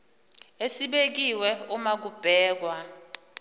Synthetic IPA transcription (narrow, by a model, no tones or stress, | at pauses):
esiɓek̬iwɛumak̬ub̥ʱɛːk̬wa